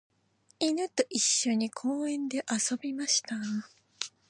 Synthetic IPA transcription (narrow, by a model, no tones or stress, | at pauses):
inɯ̟t̪o̞ʔiɕːo̞ɲ̟ikʰoːẽ̞nd̪e̞ʔaso̞bʲimaɕi̥t̪a